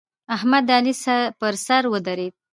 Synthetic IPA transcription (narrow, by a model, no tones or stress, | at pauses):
ahmad̪alisapəɾsaɾwəd̪aɾed̪̚